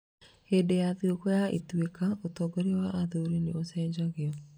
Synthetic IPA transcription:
hedejaðiokɔjaḛtwekaotɔːɡoɾewaʔːðoɾineosɛːɲd͡ʒaɣeɔ

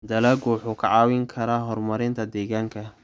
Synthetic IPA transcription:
d̪ɐlɐɡuːħʊkʰɐʕɑːwɪŋkʰɐɾaːɦɔrmɐɾɪnt̪ʰɐd̪ɛːɣaːŋkʰɐ

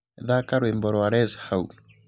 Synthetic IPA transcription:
ðakaɾwembɔɾɔaɾɛzhau

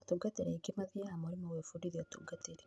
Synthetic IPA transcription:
tuɡateɾeɡimaðiamoɾimowefudiɾiotṵɡateɾe

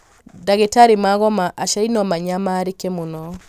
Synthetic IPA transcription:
daɣetaɾimaɣɔmaʔaʃainɔmaɲamaɾekɛmonɔ

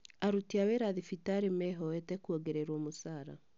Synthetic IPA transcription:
aɾutiaweɾaðifitaɾemɛɦɔɛtɛkuɔɡeɾeɾwɔmosaːɾa̰

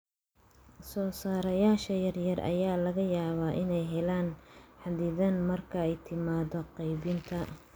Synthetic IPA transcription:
sɔːsaːɾɐjaːʃɐjɐrjɐrʔɐ̰jaːlɐɣɐjaːβaːʔɪnɛjɦɛlaːnħaðɪðɐnmɐrkʰɐɛjt̪ʰɪmaːdɔqɑjβɪnt̪ʰɐ

